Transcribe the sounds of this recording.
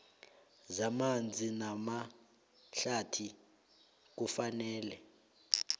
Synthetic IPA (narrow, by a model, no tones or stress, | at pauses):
zamand͡zʱinama | ɬatʰi | k̬ufanɛːlɛ